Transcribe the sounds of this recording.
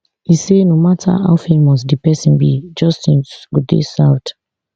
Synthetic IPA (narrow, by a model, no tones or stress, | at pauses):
isenomatʰa̰a̰ʊfɛ̃nmɔstdipɛsĩnbḭd͡ʒɔstĩnɡ̥udḛsaʊt